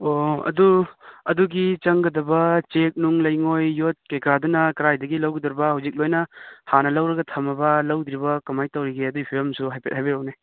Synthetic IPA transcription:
oɐ̰duɐ̰duɡit͡ʃɐŋɡɐdɐbɐt͡ʃek̚nuŋlɐjŋojːot̚kekɾadɐnɐkɾajdɐɡilɐwɡid̪ɐɾbɐhɐwzik̚lojnɐhanɐlɐwɾɐɡɐtʰɐmɐbɐlɐwd̪ɾibɐkɐmajtɐwɾiɡeɐduipʰiɾomsuɦajpet̚hajbiɾɐwne

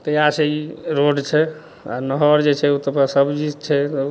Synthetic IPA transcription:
t̪əjat͡ʃʰɛiɾoɖt͡ʃʰɛ | a̰nəɦɔɾd͡ʒet͡ʃʰɛut̪əpasəbd͡ʒid͡ʒt͡ʃʰɛt̪

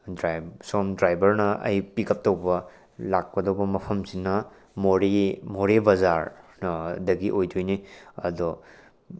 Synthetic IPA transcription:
dɾajbsɔmdɾajbɐɾnɐʔɐ̰jpikɐp̚tɐwbɐ | lak̚pɐdɐwbɐmɐpʰɐmsinːɐ | moɾimoɾebɐzaɾ | dɐɡiʔojdojniɐ̰dɔ

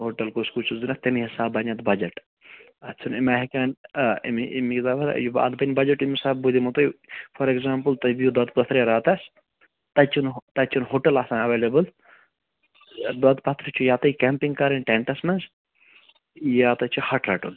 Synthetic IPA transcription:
ɦoʈɐlkoskut͡ʃʰuzunɐt̪ɐmiɦisaːbːɐnɐt̪bɐd͡ʒɐʈ | ɐt͡sʰunimaːɦikanimiimikzaːʋɐɾ̰juba̰ːd̪bɐnʲbɐd͡ʒɐʈimisaːb̚bud̪imut̪ɐjfʰɐɾekzaːmpɨlt̪ɐbijud̪ɐd̪̚pɐt̪ʰɾjaɾaːt̪ɐs | t̪ɐt͡ʃʰunt̪ɐt͡ʃʰunɦoːʈɐlasaːnɐʋeːlebɨl | d̪ɐt̪pɐt̪ʰɾit͡ʃʰujaːt̪ɐikɛmpiŋkɐɾɐnʈeɳʈɐsmɐns | jaːt̪ɐt͡ʃʰuhɐʈɾɐʈun

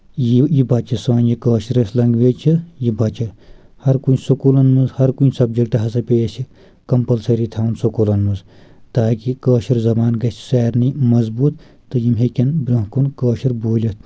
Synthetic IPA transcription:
jijibɐt͡ʃɐsɐːnjikɐːʃiɾɐslɐŋɡʋeːt͡ʃʰijibɐt͡ʃɐ | hɐɾkunsukulɐnmɨzhɐɾkunsɐb̚d͡ʒɐkʈɐɦɐsɐpʲeːsi | kɐmpɐlsɐɾit̪ʰaːunsukulɐnmɨz | t̪aːkikɐːʃiɾzɐbaːnɡɐt͡ʃʰseːɾnimɐzbuːt̪ | t̪ɨjimɦekʲɐnbɾʲõɦkunkɐːʃiɾboːlʲɐt̪

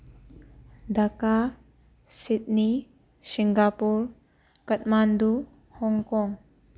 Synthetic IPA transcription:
d̪aka | sit̪̚ni | siŋɡapuɾ | kət̚mand̪u | hɔŋkɔŋ

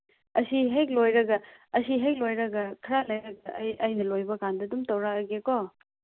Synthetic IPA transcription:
ɐsiɦejk̚lojɾɐɡɐɐsiɦejk̚lojɾɐɡɐkʰɐɾalɐjɾɐɡɐ̰jɐjnɐlojbɐkandɐdumtɐwɾakɡeko

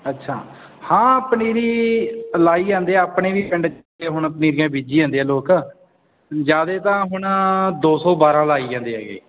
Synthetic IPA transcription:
ətːʃʰa̰ː | hãːpniːɾiːlaːiːd͡ʒãːnd̪eːɛːəpɳeːʋiːpɪɳɖt͡ʃ | eːɦʊɳəpniːɾijãːbiːd͡ʒiːãːnd̪eːɛ̃ːloːkː | d͡ʒaːd̪eːt̪ãːɦʊɳd̪oːsɔːbaːɾãːlaːiːd͡ʒãːnd̪eːɦɛ̰ːɡḛː

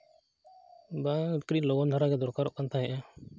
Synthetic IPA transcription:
bãkɽiloɡɔnd̪ʱəɾaːkɛd̪ɔɾkaːɾɔʔkant̪ʰaːɦɛʔãː

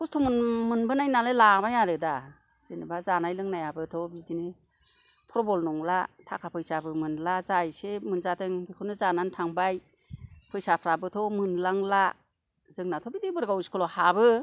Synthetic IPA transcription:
kɔstʰɔmɔnmɯnbɯnajnalelamajaɾɯda | z̥ɯnibazanajlɯŋnajabɯtʰɔbidinɯ | pʰɾɔbɔlnɔŋlatʰakʰapʰɯjsabɯmɯnlazajsemɯnzatɯŋbikʰɯnɯzanantʰaŋbaj | pʰɯjsapʰɾabɯtʰɔmɯnlaŋla | zɯŋnatʰɔbidibɯɾɡawskʰɯlɔhabɯ

